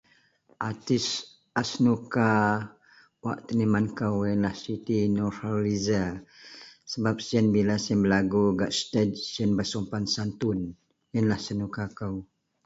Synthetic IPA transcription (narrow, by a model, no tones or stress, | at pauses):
ʔat̪is | asnuka | waʔt̪ənimankəwjənlahsit̪inɔtaliza | səbap̚siənbilasiənbəlaɡuɡaʔst̪ɛd̚siənbəsɔmpansant̪un | jənlahsənukakəw